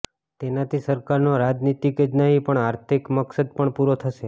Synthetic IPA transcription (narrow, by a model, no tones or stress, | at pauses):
t̪enat̪ʰisəɾkaɾnoɾad͡ʒnit̪ikəd͡ʒnəɦĩpəɳaɾt̪ʰikməksəd̪̚pəɳpuɾot̪ʰəʃe